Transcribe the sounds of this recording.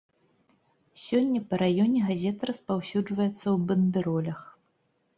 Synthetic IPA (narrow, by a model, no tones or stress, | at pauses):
sʲɔnʲːɐpɐɾajɔnʲɛɣazʲɛt̪ɐɾɐspawsʲud͡ʐvɐjɛt̪sːɐwbɐnd̪ɨɾɔlʲɐx